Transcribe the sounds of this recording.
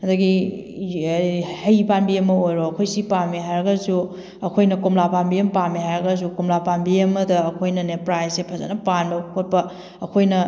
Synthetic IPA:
hɐdɐɡi | hɐjpanbiɐmːɐojɾoɐkʰojsipamiɦajɾɐɡɐsu | ɐkʰojnɐkumlapanbijɐmpamihajɾɐɡɐs̬ukumlapanbiɐmːɐdɐːkʰojnɐnepɾajssepʰɐzɐ̰nɐpanbɐkʰot̚pɐ | ɐkʰojnɐ

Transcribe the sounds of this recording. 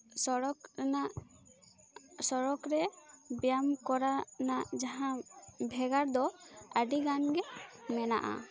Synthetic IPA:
sɔɾɔknaʔ | sɔɾɔkɾɛbjamkɔɾanaʔd͡ʒaɦãbʱɛɡaɾd̪ɔəɖiɡanɡɛmɛna̰ʔa̰

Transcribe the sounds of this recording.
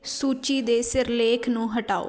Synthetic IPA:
suːt͡ʃiːd̪eːsɪɾleːkʰnũːɦəʈaːo̰ː

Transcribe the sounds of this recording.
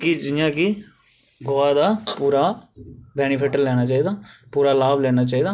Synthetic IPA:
kiːd͡ʒɪjãːkɪ | ɡoːaːd̪aːpuːɾaːbɛːñɪpʰɪʈəɾlɛːñaːt͡ʃaːiːd̪aːpuːɾaːlaːʋlɛːnaːt͡ʃaːiːd̪aː

